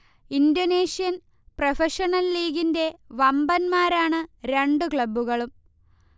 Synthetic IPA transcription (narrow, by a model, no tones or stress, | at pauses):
indoːneːʂijɐn | profeʂɐnɐlːiːɡinde̞ʋɐmbɐnmaːɾaːɳɨɾe̞ɳɖukɭɐbːuɣɐɭum